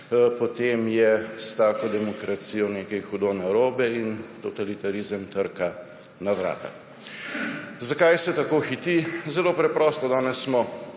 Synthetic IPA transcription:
pɔt̪emjɛst̪aːkod̪ɛmɔkɾat̪sijɔneːkɛjxud̪oːnaɾoːbɛint̪ɔt̪alit̪aɾizəmt̪əɾka | naʋɾa̰ːt̪a̰ | zakajsɛt̪akoːxit̪izɛloːpɾɛpɾɔst̪ɔd̪aːnɛsːmɔ

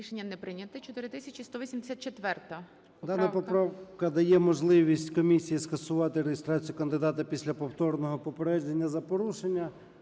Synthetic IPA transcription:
iʃenʲːɐnɛpɾɪnʲɐt̪ɪt͡ʃɔt̪ɪɾɪt̪ɪsʲɐt͡ʃist̪ɔʋʲisʲimd̪e̥sʲat̪t͡ʃet̪ʋɛrt̪ɐ | d̪ɑnɐpɔpɾawkɐd̪ɐjɛmɔʒlˠɪʋʲisʲtʲkɔmʲisʲijiskɐsʊʋɑt̪ɪɾejest̪ɾɑt͡sʲijʊkɐnd̪ɪd̪ɑt̪ɐpʲisʲlʲɐpɔwt̪ɔrnɔɦɔpɔpeɾɛʒenʲːɐzɐpɔɾuʃenʲːɐ

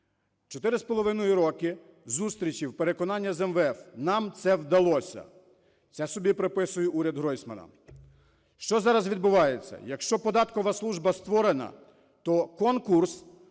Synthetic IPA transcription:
t͡ʃɔt̪ɪɾɪspɔlˠɔʋɪnɔjiɾɔkɪ | zust̪ɾʲit͡ʃiwpeɾekɔnɑnʲːɐzɛmʋɛfnɑmt̪sɛwd̪ɐlˠɔsʲɐ̰ | t̪sɛsɔbʲipɾepɪsʊjɛʔuɾʲɐd̪ɦɾɔjsmɐnɐ̰ | ʃt͡ʃɔzɑɾɐzʋʲid̪̚bʊʋɑjet͡sʲːɐ̰jɐkʃt͡ʃɔpɔd̪ɑt̪kɔʋɐslˠuʒbɐst̪ʋɔɾenɐ̰ | t̪ɔkɔnkurs

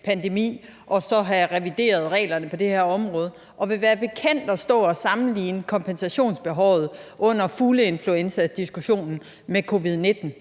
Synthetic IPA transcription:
pʰænd̥emḭː | ʔɒ̽sɒ̽ɦæʁɛʋid̥e̝̰ːɐð̞̩ˠʁɛ̰ːlɐnəpʰɒ̽d̥e̝heɐ̰ɒ̽mʁɔ̽ːð̞ˠ | ʔɒ̽ʋe̝ʋæːɐb̥e̝kʰen̰d̥ɒ̽sd̥ɔ̰̽ːɒ̽sɑ̈mn̩liːnəkʰɒ̽mpʰensæɕo̝̰ːnsb̥e̝ɦɒʊ̰ð̞̩ˠʔɔ̽n̰ɐfuləe̝nfluensæd̥isɡ̥uɕo̝̰ːnn̩ | mekʰo̝ʋið̞ˠne̝d̥n̩

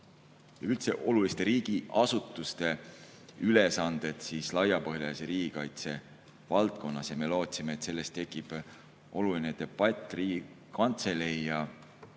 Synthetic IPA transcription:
jɑylt̪se̞ʔo̞lulist̪e̞ɾiːɡ̥iɑsut̪ːˑust̪e̞ | ylesɑnd̪̥e̞t̪siːslɑjɑpɤɦjɑseɾiːɡ̥ikɑjt̪se̞ | vɑlt̪ko̞nːɑsjɑme̞lo̞ːt̪sime̞et̪se̞lːe̞st̪ːe̞kːˑib̥ | ʔo̞lulined̪̥e̞b̥ɑt̪ʲˑːriːɡi | kɑnt̪se̞lejɑ

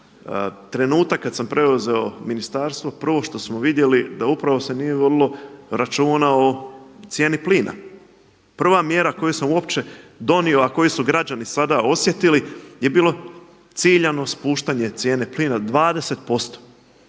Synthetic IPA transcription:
t̪ɾe̞nuːt̪akːad̪sampɾe̞uze̞o̞minist̪aːɾst̪ʋo̞pr̩ʋo̞ʃt̪o̞smoʋid̪je̞lid̪aupɾaʋo̞se̞nije̞ʋo̞d̪ilo̞ɾat͡ʃuːnao̞t̪sje̞ːnipliːna̰ | pr̩ʋamje̞ɾako̞jusamuo̞pt͡ʃe̞d̪o̞nio̞ako̞jusuɡɾad͡ʑanisad̪ao̞sje̞t̪ilije̞biːlo̞ | t̪siʎano̞spuːʃt̪aɲe̞t̪sje̞ːne̞pliːnad̪ʋaːd̪e̞se̞t̪̚po̞st̪o̥

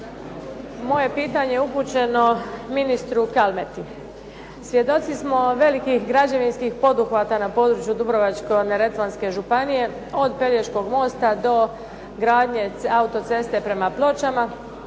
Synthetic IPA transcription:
mo̞je̞piːt̪aɲejeupuːt͡ɕe̞no̞minist̪ɾukalme̞t̪i | sʋje̞d̪o̞t̪sismo̞ʋe̞likixɡɾad͡ʑaʋinskixpo̞d̪uxʋat̪anapo̞ːd̪ɾut͡ʃjud̪ubɾo̞ʋat͡ʃko̞neɾe̞t̪ʋanske̞ʒupanije̞ | o̞d̪pe̞ljeʃko̞ɡmo̞ːst̪ad̪o̞ | ɡɾaːd̪ɲe̞aut̪o̞t̪se̞st̪e̞pɾe̞maplˠo̞t͡ʃama

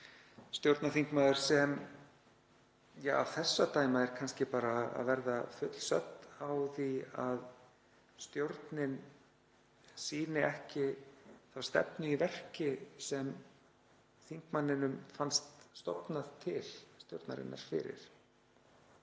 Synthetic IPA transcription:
st̪jowɾt̪naθiŋkmaːðʏɾ̥sɛm | jaːa̰v̥θɛsːat̪aːjmaɛɾkʰanscɪpaːɾaa̰ðvɛɾðafʏt̪l̥sœ̰t̪nawθiað | st̪jowɾt̪nɪn | siːnɪɛhcɪθawst̪ɛ̰pnʏivɛr̥cɪsɛm | θiŋ̥kmanːɪnʏmfanst̪st̪ɔ̰pnaðt̪ʰɪl̥st̪jo̰wɾt̪na̰ɾɪ̰nːʔa̰ɾ̥fɪ̰ːɾɪ̰ɾ̥

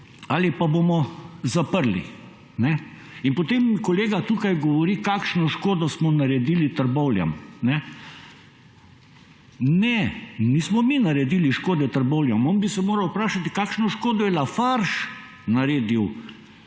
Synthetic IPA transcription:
aːlipabomɔzapəɾlḭ | nɛ | inpot̪emkɔleːɡat̪uːkajɡɔʋɔɾiːkaːkʃnɔʃkoːd̪ɔsmɔnaɾɛd̪iːlit̪əɾbɔwlja̰mnɛ | nɛniːsmɔminaɾɛd̪iːliʃkoːd̪ɛt̪əɾbɔwljamoːnbisɛmoːɾɐwpɾaːʃat̪i̥kaːkʃnɔʃkoːd̪ɔjɛlafaɾʃ | naɾeːd̪iw

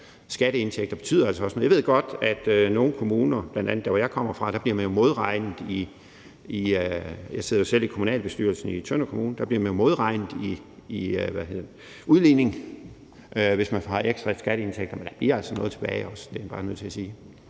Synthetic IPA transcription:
sɡ̥æɾ̥əe̝nt͡sʰeɡ̥̚d̥ɐb̥e̝t͡sʰy̰ːð̰ˠɐælsɒɒsnɔːjʋe̝ð̰ˠɡ̥ɒ̽d̥æd̥øno̝ːn̩kʰo̝muːnɐb̥lænd̥æn̰ð̩ˠd̥æʋɒjɑ̈ɪkʰɒ̽m̰ɐfʁɑ̈d̥æ̈b̥liɐ̰mænjo̝mo̝ð̞ˠʁɑ̈ɪnð̩ˠi | iøjɑ̈ɪseð̞̰ˠɐjo̝sel̰ikʰomunɛ̰ːlb̥e̝sd̥yɐ̰lsn̩it͡sʰønɐkʰomuːn̩d̥æ̈b̥liɐmænjo̝mo̝ð̞ˠʁɑ̈ɪ̰nð̩ˠi | iøʋæhe̝ð̰ˠ | uðˠline̝ŋ | ʔøʋe̝smænhɑ̈eɡ̥sd̥ʁɑsɡ̥æɾ̥əe̝nt͡sʰeɡ̥̚d̥ɐmend̥æb̥liɐ̰æl̰sɒnɔ̽ːðˠt͡sʰe̥b̥ɛːɪɒ̽sd̥e̝æb̥ɑ̈ːnøðˠt͡sʰe̝æsiː

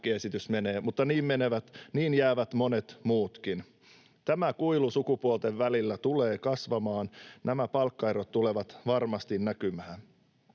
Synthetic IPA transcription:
kiesit̪ysme̞neːmut̪ːɑniːmmeneʋæt̪niːnjæːʋæt̪mone̞t̪muːt̪kin | t̪æmækuilusukupuolt̪e̞ʋʋælilːæt̪ule̞ːkɑsʋɑmɑːnnʔæmæpɑlkːɑjɾot̪t̪ule̞ʋɑt̪ʋɑrmɑst̪innækymæː

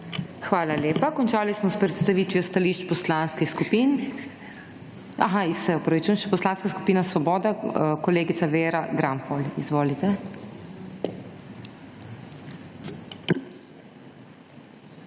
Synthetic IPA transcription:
xʋaːlaleːpakɔnt͡ʃaːlismɔspɾɛt̪st̪aʋiːt̪ʋijɔst̪aliːʃt͡ʃpɔslanskɛskupin | a̰ɦaisɛɔpɾɔʋit͡ʃujɛ̃nʃɛpɔslaːnskasku̥piːnasʋɔbɔːd̪akɔleːɡit̪saʋeːɾaɡɾamfɔlizʋoːlit̪ɛ

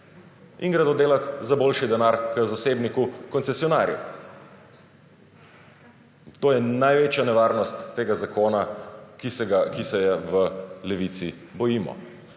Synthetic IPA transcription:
ḭŋɡɾad̪od̪eːlat̪zaboːlʃid̪ɛnaːɾkəzaseːbnikukɔntsɛsijɔnaːɾjṵ | t̪oːjɛnajʋeːt͡ʃjanɛʋaɾnɔst̪ːeːɡazakoːnakisɛɡakisɛjɛʋəlɛʋit̪si | bɔjiːmɔ̰

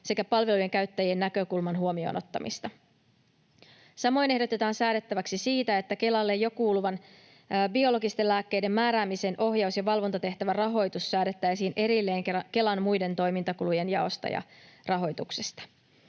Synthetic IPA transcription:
se̞kæpɑlʋe̞luje̞ŋkæɥt̪ːæjienːækø̞kulmɑnɦuo̞mio̞̰ːno̞t̪ːɑmḭst̪ɑ | sɑmo̞jne̞hdo̞t̪e̞t̪ɑːnsæːɾe̞t̪ːæʋæksisiːt̪æe̞t̪ːæke̞lɑlːe̞jo̞kuːluʋɑnː | bio̞lo̞ɡist̪e̞lːæːkːe̞jde̞mːæːɾæːmise̞ːnʔo̞ɦjɑuwsjɑʋɑlʋont̪ɑt̪e̞ht̪æʋærɑɦo̞jt̪usːæːde̞t̪ːæjsiːnʔe̞ɾilːe̞ːŋke̞lɑnmujde̞nt̪o̞jmint̪ɑkuluje̞njɑo̞̰st̪ɑ̰jɑ̰rɑɦo̞jt̪uksest̪ɑ̥

